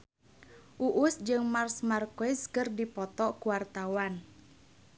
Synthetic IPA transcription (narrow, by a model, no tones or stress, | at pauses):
ʔuʔʊsd͡ʒɨŋmarsmarkoɪskərdipɔt̪ɔkuwart̪awan